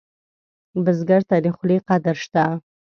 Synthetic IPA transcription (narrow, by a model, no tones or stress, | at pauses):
bəzɡaɾt̪adixliqad̪ɾʃt̪a